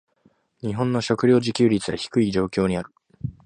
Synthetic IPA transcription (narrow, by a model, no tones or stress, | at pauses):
ɲ̟iɦõ̞nːo̞ɕo̞kɯ̟ɾʲo̞ːd͡ʑikʲɨːɾʲit͡sɨɡa̰çi̥kɯ̟id͡ʑo̞ːkʲo̞ːɲ̟iaɾɯ̟